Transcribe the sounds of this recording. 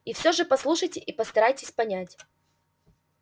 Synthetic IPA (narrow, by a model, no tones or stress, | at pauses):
ifsʲoʐɨpɐslˠuʂəjtʲɪʔipəst̪ɐɾajtʲɪsʲpɐnʲætʲ